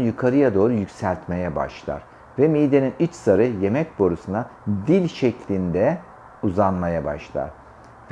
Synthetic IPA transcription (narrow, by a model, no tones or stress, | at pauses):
jukʰaɾɯjad̪o̞ːɾujycsælʲt̪me̞jɛba̰ʃlˠa̰ɾ̥ | vɛmijd̪e̞ninyt͡ʃsaɾɯje̞mɛc̚bo̞ɾusunad̪ilʲʃɛclʲind̪ɛ | uzanmajaba̰ʃlˠa̰ɾ̥ | v